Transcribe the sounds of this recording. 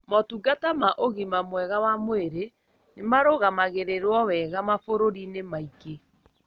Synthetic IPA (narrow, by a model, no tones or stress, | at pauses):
mɔtuɡatamaʔoɣimamwɛɣawamoeɾe | nemaɾoɣamaɣeɾeɾwɔwɛɣamafoɾoɾinemaike